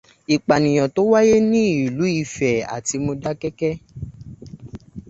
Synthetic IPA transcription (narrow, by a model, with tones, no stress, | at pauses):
i˨k͡pa˨nĩ˨j̃ɔ̃˨to˨˦wa˦je˦nĩ˦i˨lu˨˦i˧fɛ˨a̰˨ti˧mo˧da˦kɛ˦kɛ˦